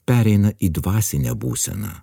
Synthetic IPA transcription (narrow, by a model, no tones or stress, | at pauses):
pʲæːɾʲɛɪnɐʔiːd̪ʋɑːsʲɪnʲɛbṵːsʲɛ̰nɑ̰